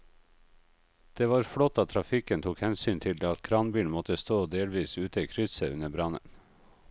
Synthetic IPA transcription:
d̪̥eːʋɑːɾfɽɔt̪ːɑt̪ʰɾɑfɪkənt̪ʰuːkhɛnsyːnt̪ʰɪld̪eːɑt̪kʰɾɑːnbiːlmɔt̪əst̪oːd̪eːlʋiːsʉːt̪əikʰɾʏsəʉnəbɾɑnə̰n

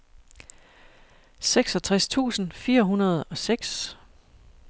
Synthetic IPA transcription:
seɡ̥sɒ̽t͡sʰʁast͡sʰṵːsn̩fiːɐɦunɐð̞̩ˠɒ̽seɡ̥s

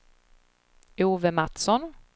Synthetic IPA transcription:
uːvəmat̪sɔn

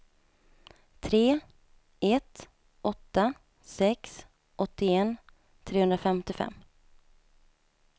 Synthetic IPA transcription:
t̪ʰɾeː | ɛt̪ | ʔɔt̪ːa | sɛks | ʔɔt̪ːɪɛːn | t̪ʰɾeːhɵnd̪ɾafɛmt̪ɪfɛ̰mː

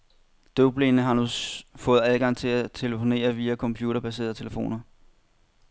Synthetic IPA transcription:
d̥ob̥lennəɦɑ̈nusfɔ̽ːð̞̩ˠæðˠɡ̥ɑ̈ŋ̰t͡sʰe̝læt͡sʰe̝ləfo̝ne̝̰ːɐʋiːækʰɒ̽mpʰjuːɾɐb̥æs̬e̝̰ɐðˠt͡sʰeləfo̝̰ːnɐ

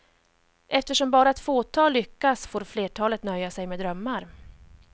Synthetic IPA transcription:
ʔɛft̪əʂɔmbɑːɾat̪foːt̪ʰɑːlːʏkːasfoːɾfleːʈʰɑːlət̪nœjːasɛjmɛːd̪ɾœmːaɾ

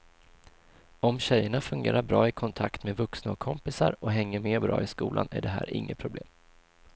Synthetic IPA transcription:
ɔmɕɛjːəɳafɵŋɡḛːɾaɾbɾɑːɪkʰɔnt̪ʰakt̪meːvɵksnaɔkʰɔmpɪsaɾɔɦɛŋːəɾmeːbɾɑ̰ːɪskuːlʔanæ̰ɖɛɦæːɾɪ̰ŋːəpʰɾʊblḛːm

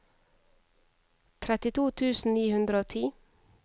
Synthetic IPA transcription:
t̪ʰɾɛt̪ɪt̪ʰuːt̪ʰʉːsn̩niːhʉnd̪ɾəoːt̪ʰiː

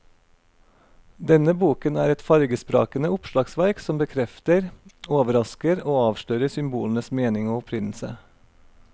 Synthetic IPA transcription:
d̪ɛnəbuːkənæːɾɛt̪fɑɾɡəspɾɑ̰ːkənəʊpʃlɑːɡsʋæɾksɔmbəkʰɾɛft̪əɾoːʋəɾɑskəɾoːɑːʋʃløːɾəsʏmbuːlnəsmeːnɪŋoːʊpʰɾɪnl̩sə̰

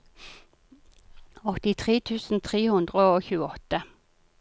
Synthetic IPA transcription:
ɔt̪ɪt̪ʰʁeːt̪ʰʉːsn̩t̪ʰʁeːhʉnd̪ʁəoːçʉːəɔt̪ə

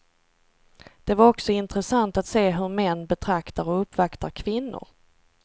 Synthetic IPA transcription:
d̪̥ɛvaɾɔksɔɪnt̪ɾəsant̪at̪seːɦɵɾmɛnːbɛt̪ʰɾakt̪aɾɔɵpːvakt̪aɾkʰvɪnːʊ̰ɾ

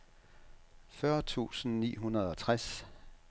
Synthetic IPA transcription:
fɶɐt͡sʰṵːsn̩nḭːɦunɐð̞ˠɒ̽t͡sʰʁas

